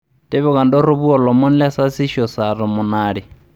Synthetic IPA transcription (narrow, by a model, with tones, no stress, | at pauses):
tɪ˦βɛ˦ka˨ndɔ˦ɾʊ˦βu˦ɔ˨lɔ˨mʊ˦n̩˦lɛ˦sa˦si˦ʃɔ˨sa˨ɾɔ˨mʊ˨naː˦ɺi˨